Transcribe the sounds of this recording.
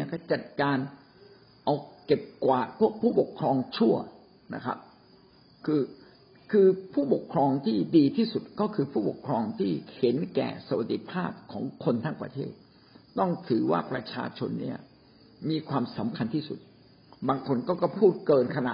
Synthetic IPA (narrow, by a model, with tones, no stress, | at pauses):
ni˥˩˨kɔ˥˩t͡ɕa˨˩t̪̚kaː˧n | ʔa˧wke˨˩p̚kwaː˨˩t̚pʰu˥˩ək̚pʰuː˥˩po˨˩kʰɾɔː˧ŋt͡ɕʰu˥˩ɐ | na̰˧˩kʰɾa̰˦˥p̚ | kʰɯː˧ | kʰɯː˧pʰuː˥˩po˨˩kʰɾɔː˧ŋt̪ʰiː˥˩diː˧t̪ʰiː˥˩su˨˩t̪̚kɔː˥˩kʰɯː˧pʰuː˥˩po̰˨˩kʰɾɔː˧ŋt̪ʰiː˥˩he˩˦nkɛ̰ː˨˩sa˧wa˨˩t̪ːi˧˦pʰaː˥˩p̚kʰɔː˩˦ŋkʰo˧nt̪ʰaː˥˩ŋpɾa̰˧t̪ʰḛː˥˩t̪̚ | t̪ɔ˥˩ŋt̪ʰɯː˩˦wa̰ː˥˩pɾa˧t͡ɕʰa̰ː˧t͡ɕʰo˧nːḭ˥˩ɐ | miː˧kʰwaː˧msa˩˦mkʰa˧nt̪ʰiː˥˩sṵ˨˩t̪̚ | baː˧ŋkʰo˧nkɔː˥˩kɔ˥˩pʰuː˥˩t̪̚kɤː˧nkʰa˧na̰˨˩